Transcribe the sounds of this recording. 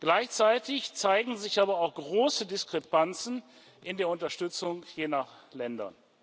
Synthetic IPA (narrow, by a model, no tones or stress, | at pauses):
ɡ̥laɪçt͡saɪtɪçt͡saɪɡŋ̩zɪçʔaːbɐaʊxɡ̥ʁoːsədɪskʁ̥ɛpant͡sn̩ | ʔɪndeːɐʊntɐʃtʏt͡sʊŋjeːnaχlɛndɐ̰n